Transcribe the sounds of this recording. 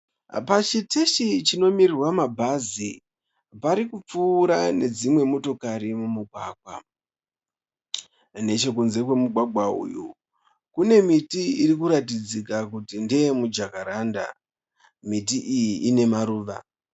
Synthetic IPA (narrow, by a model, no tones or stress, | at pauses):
pat͡ʃitʰeʃit͡ʃino̞mirirwamabʱazi | paɾikup͡fuːɾane̞d͡zimwe̞mo̞to̞kaɾimumuɡʱwaːɡʱwa̰ | ne̞t͡ʃe̞kunze̞kwe̞muɡʱwaɡʱwaṵju | kune̞mitiiɾik̬uɾatid͡zikakutindejemud͡ʒakaɾaːnda̰ | mitiʔijiʔːne̞maɾuːʋa̰